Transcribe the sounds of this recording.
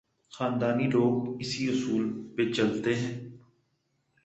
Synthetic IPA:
xaːnd̪aːniloːɡɪsiʊsuːlpet͡ʃɐlt̪eɦɛ̃ː

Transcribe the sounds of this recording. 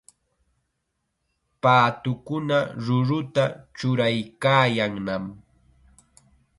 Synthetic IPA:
paːt̪ʊkʊnaɾʊɾʊt̪at͡ʃʊɾajkaːjaŋnam

